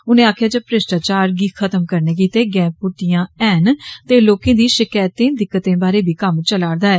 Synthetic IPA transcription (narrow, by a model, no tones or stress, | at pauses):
ʊnẽːaːkʰjaːd͡ʒeːpɾɪsʈaːt͡ʃaːɾɡiːkʰət̪əmkəɾneːk̬iːt̪eːɡɛ̃ːpʊʈijãːɛːnt̪eːloːkẽːd̪iːʃɪkaːjt̪ẽːd̪ɪkːət̪ẽːbaːɾeːbʱiːkəmt͡ʃəlaːɽd̪aːɛː